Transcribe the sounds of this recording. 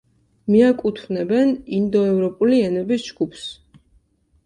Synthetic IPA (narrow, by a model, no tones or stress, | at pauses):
miakʼut̪ʰvnɛbɛnind̪ɔɛvɾɔpʼuliɛnɛbisd͡ʒɡupʰs